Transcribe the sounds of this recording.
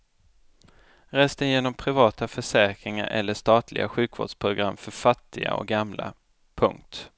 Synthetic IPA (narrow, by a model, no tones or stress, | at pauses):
ɾɛːst̪əjeːnɔmpʰɾɪvɑːt̪afœʂɛːkɾɪŋa̰ɾʔɛ̰lːəʂt̪ɑːt̪ʰlɪ̰ɡa̰ɧʉ̟ːkvo̰ːɖʂpʰɾʊɡɾamːfœɾfat̪ʰːɪɡa̰ɔ̰ɡamla̰ | pʰɵ̰ŋk̚t̪